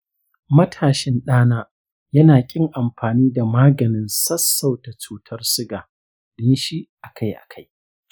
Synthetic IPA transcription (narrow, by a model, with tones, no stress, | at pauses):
mɐ˦tʰaː˨ʃɪ˦nɗaː˦naː˦ | jɐ˦naː˨kʲʼɪ˦ŋʔa˨mɸaː˨niː˦da˨maː˦ɡɐ˨nɪ˦nsɐ˦sːa˦˨wta˨t͡ʃuː˦tʰɐ˦rsʊ˦ɡaː˨ | ɗɪ˦nʃi˦ʔa˨kʰa˦jʔa̰˨kʰa˦j